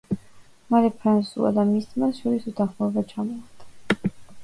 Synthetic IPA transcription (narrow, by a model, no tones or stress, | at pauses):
maɾɛpʰɾansṵa̰d̪amist̪ʰmasʃɔɾisut̪ʰaχmɔvat͡ʃʰamɔat̪ʰḁ